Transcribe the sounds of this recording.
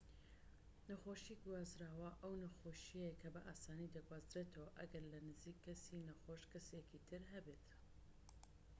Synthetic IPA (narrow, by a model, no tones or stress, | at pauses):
nɐxoʃiɡwaːzɾaːwɐʔɐwnɐxoʃijekʰɐbɐʔaːsaːnid̪ɐɡwaːzɾeːt̪ʰɐwaʔɐ̰ɡɐɾlɐnɨziːkʰːɐsinɐxoʃkɐsekit̪ʰɨɾɦɐbet̪